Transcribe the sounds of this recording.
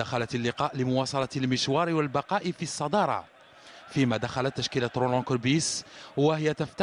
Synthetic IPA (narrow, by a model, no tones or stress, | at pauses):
axalat̪lːɪqɑːʔləmʊwɑsˤɑlɑt̪lməʃwɑɾwəlbɑqɑʔifisˤːɑd̪ɑɾˤɑ̰ | fimæd̪axalat̪ːæʃkilat̪ɾolɔ̃kʊɾbiswəɦɪjːæt̪əft̪